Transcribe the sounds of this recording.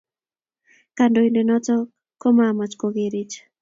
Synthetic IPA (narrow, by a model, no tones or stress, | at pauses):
kandoindenɔt͡sɔ | komamat͡ʃkoɣeɾit͡ʃ